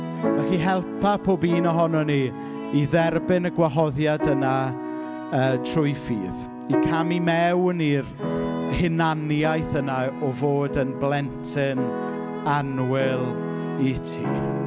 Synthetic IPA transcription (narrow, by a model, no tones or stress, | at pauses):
v̥ɛχiɦɛlˠpʰapʰoːbiːnɔɦɔnɔni | iðɛrbɪnəɡwaɦɔðjadəna | əːtʰrʊjfḭːð | ikʰamimɛwnirhɪnanjajθənaɔvoːdənblˠɛntʰɪn | anwɪlˠ | itʰḭː